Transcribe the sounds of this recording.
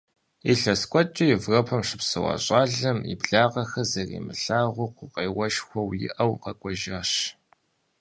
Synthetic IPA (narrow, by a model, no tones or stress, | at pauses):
iɬɐskʷʼɔt͡ʃʼɪjɪvrɐpʰɐmʂɨpsɐwɑ̰ɕʼɑːɮɐmḭbɮaːʁɐxɐzɐrḭːmɨɬaːʁʷʊqʷʊqeːwɐʃxʷɔwjɪ̰ʔɐwqɐkʷʼɔʒaːɕ